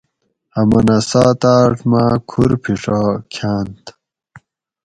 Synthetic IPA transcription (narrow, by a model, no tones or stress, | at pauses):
ɐmɐnɐsaːt̪aːʈmakʰuɾpʰiʂakʰaːnt̪